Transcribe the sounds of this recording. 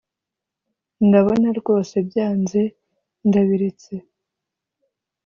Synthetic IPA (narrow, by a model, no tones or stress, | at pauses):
ndaβonaɾɡo̞ːse̞bjaːnze̞ | ndaβiɾet͡se̞